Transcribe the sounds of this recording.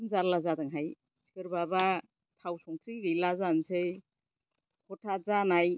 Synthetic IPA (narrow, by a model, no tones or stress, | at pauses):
nzaɾlazadaŋɦaj | sʰi̥kɯɾbaba | tʰawsɔŋtʰɾiɾilazansej | kʰɔtʰazanaj